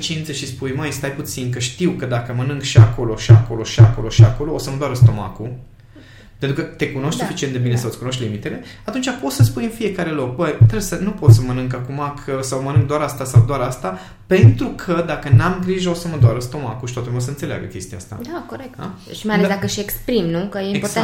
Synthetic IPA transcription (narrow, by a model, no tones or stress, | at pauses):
t͡ʃint̪səʃispujmajst̪ajput̪sink̬əʃt̪iwkəd̪akəmənɨŋkʃiako̞lo̞ʃiako̞lo̞ʃiako̞lo̞ʃiako̞lo̞osəməd̪waɾəst̪o̞ma̰ku | pent̪ɾukət̪e̞kuno̞ʃt̪sufit͡ʃient̪d̪bine̞sawət̪ʲkuno̞ʃt̪ʲlimit̪e̞le̞at̪unt͡ʃapo̞t̪səspujɨnfie̞kaɾe̞lo̞k̚bəjt̪ɾebsənupo̞t̪səmənɨŋkakumakʰəsawmənɨŋk̚d̪oaɾast̪asawd̪oaɾast̪a | pe̞nt̪ɾukʰəd̪akənamɡɾiʒəo̞səməd̪waɾəst̪o̞makuʃi̥t̪at̪lumeosəɨnt̪selea̰ɡə̰kʲe̞st̪iaa̰st̪a̰d̪akoɾek̚td̪a | ʃimajaled̪akəʃekspɾimnukəjeo